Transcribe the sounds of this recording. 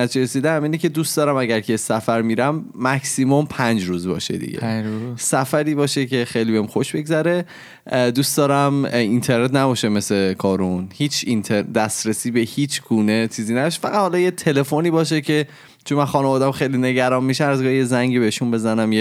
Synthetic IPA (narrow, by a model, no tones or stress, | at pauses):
æt͡ʃʰiɾesiːd̪ææmiːnecʰe̞d̪uːst̪d̪ɒːɾæmæɟæɾkʰesæfæɾmiːɾæmːæksimompʰænd͡ʒɾuːzbɒ̰ːʃḛd̪ḭɟḛsæfæɾiːbɒːʃecʰe̞xejlibeimxoʃbe̞ɡzæɾe̞ | d̪uːst̪d̪ɒːɾæmint̪ʰe̞ɾnet̪næbɒːʃeme̞sekʰɒːɾunhiːt͡ʃʰint̪ʰeɾd̪æst̪ɾesiːbehiːt͡ʃʰɡuːne̞t͡ʃʰiːziːnæbɒʃ̬e̥fæɣæt̪hɒlɒːjet̪ʰele̞foniːbɒːʃ̬ecʰe̞ | t͡ʃʰonmænxɒːnevɒːd̪æmxejline̞ɟæɾɒːmmiʃææzɡɒːijezæŋɟibeiʃunbe̞zænæmje